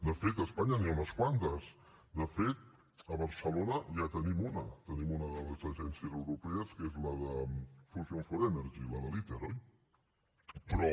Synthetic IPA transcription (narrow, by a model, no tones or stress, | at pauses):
d̪əfet̪əspaɲəniaunəskwant̪əs | d̪əfet̪̚ | əβəɾsəlonəʒat̪ənimunət̪ənimunəðələzəʒɛnsiəzəwɾupɛəskezləðəfuzjoɱfoɾemeɾʒiləðəlit̪eɾɔj | pɾɔ